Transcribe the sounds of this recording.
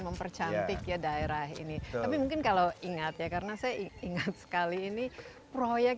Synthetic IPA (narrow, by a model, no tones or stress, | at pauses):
məmpərt͡ʃanɪkjadaeɾaɦḭnit̪apimuŋkɪnkalawiŋat̪jakarənasajaiiŋat̪̚sə̥kaliːni | pɾojɛk̚